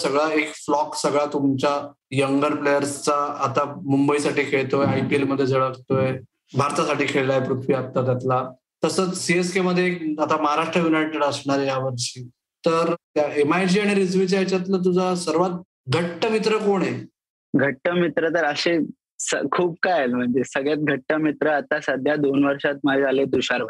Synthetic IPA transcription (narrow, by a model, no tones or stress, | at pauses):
səɡɭaekflɔksəɡɭat̪umt͡ɕa | jəŋɡəɾplejəɾst͡saːt̪amumbəisaʈiːkʰeɭt̪oeajpielməd̪ʱːjed͡zʱəɭəkt̪oe | bʱaɾt̪asaʈiːkʰeɭlaepɾut̪ʰʋiat̪ːat̪jat̪la | t̪əsət͡ssieskeməd̪ʱːjekat̪aməɦaɾaʂʈɾəjunajʈeɽəsɳaɾjaʋəɾɕiː | t̪əɾjaemajd͡ʑiːaɽ̃iɾid͡zʋit͡ɕajt͡ɕjat̪lət̪̬ud͡zʱasəɾʋat̪̚ | ɡʱəʈːəmit̪ɾəkoɽ̃e | ɡʱəʈːəmit̪ɾət̪əɾəɕe | sə̰kʰuːb̚kajelm̤əɳd͡zesəɡɭjat̪̚ɡʱəʈːəmit̪ɾəat̪asəd̪ʱjad̪onʋəɾʂat̪̚məd͡ʑaled̪uɕaɾʋə